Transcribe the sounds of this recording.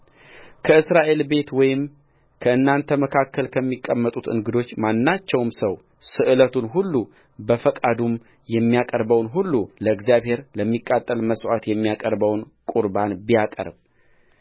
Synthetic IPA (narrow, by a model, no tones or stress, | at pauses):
kʰəɨsɾaʔe̞lbe̞t̪wɔjɪm | kʰəɨnːant̪ʰəməkʰakːəlkʰəmːikʼːəmːət̪ʼut̪ɨ̰ŋɡɨd̪o̞t͡ʃːmanːat͡ʃːɛwmsəw | sɨʔɨlət̪ʰunɦulːu | bəfəkʼad̪um | jɛmːijakʼəɾbəwnɦulːuləɨɡzijaβhe̞ɾləmːikʼːat̪ʼːəlməswat̪jɛmːijakʼəɾbəwnkʼuɾbanbijakʼə̰ɾb